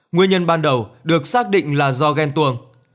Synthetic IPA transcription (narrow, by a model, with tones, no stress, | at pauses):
ŋwi˧əɲə˧nɓaː˧nɗə˨˩wɗɨ˨˩ək̚saː˦˥k̚ɗḭ˧˨ŋ̟laː˨˩zɔ˧ɣɛ˧nt̪u˧əŋ